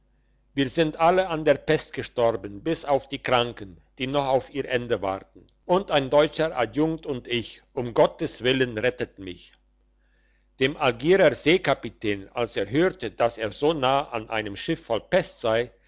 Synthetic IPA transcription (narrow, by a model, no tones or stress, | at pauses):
viːɐzɪntʔaləandeːɐpɛstɡ̥əʃtɔʁbənbɪsaʊfd̥iːkʁ̥aŋkən | d̥iːnɔχaʊfiːɐʔɛndəva̰ʁtn̩ | ʔʊntaɪndɔʏt͡ʃəʔa̰djʊŋtʊntɪç | ʊmɡɔtəsv̥ɪlənʁɛtətn̩mɪç | d̥eːmalɡiːʁɐzeːkapitʰɛːnalseːɐɦøːʁtəd̥aseːɐzoːnaːəʔanʔa̰ɪnəmʃɪfːɔlpɛstz̥aɪ